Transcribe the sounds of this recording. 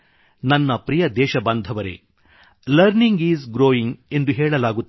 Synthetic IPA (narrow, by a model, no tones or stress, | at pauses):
nɐnːɐpɾijɐd̪ɛːʃɐbɐnd̪ʱɐʋɐɾḛ | lɐɾniŋɡiːzɡɾoːjiŋɡe̞nd̪uɦɛːɭɐlaːɡut̪ː